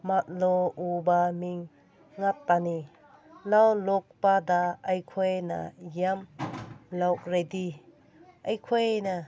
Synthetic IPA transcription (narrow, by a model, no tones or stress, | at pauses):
mat̪̚lɔubamiŋː | at̚pani | lawlɔk̚pad̪aɐjkʰɔjna̰jam | lawk̚ɾed̪i | ajkʰɔjna